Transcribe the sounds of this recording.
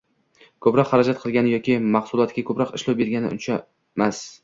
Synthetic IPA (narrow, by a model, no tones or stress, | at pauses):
kʰɵpɾɒqhaɾad͡ʒat̪̚qʰɨlˠɡʲanɪjɒkʲɪmɑχsʊlˠɒt̪kʲakʰɵpɾɒqɪʃlawbe̞ɾɡʲanɪ̰ʊ̰nt͡ʃʰa | mas